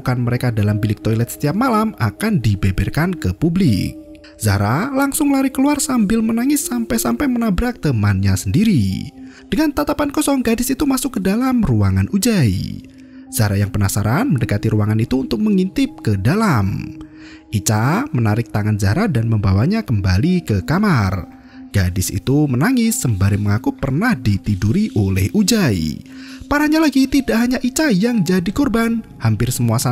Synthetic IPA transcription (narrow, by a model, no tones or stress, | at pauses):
kanməɾekadalambilɪk̚t̪ɔilɛt̪sə̥t̪iap̚malamakandibebɛrkankəpublɪ̰k̚ | za̰ɾalaŋsʊŋlaɾikəluarsambɪlmənaŋɪsːampajsampajmənabɾak̚t̪əmanɲasəndiɾḭ | d̥əŋant̪at̪apankɔsɔŋɡadɪsit̪umasʊkːədalamruaŋanʔud͡ʒaj̰ | z̥aɾajaŋpənasaɾanməndəkat̪iɾuaŋanit̪uːnt̪ʊk̚məŋint̪ɪp̚kədalam | ʔit͡ʃamənaɾɪk̚t̪aŋand͡ʒaɾat̪̚danməmbawaɲakəmbalikəkamar | ɡ̥adɪsḭt̪umənaŋɪsːəmbaɾɪməŋakupərnahdit̪iduɾiʔolɛhud͡ʒaḭpaɾaɲalaɡit̪idaʔɦaɲaʔit͡ʃajaŋd͡ʒadikɔrbanhampɪrsəmuasa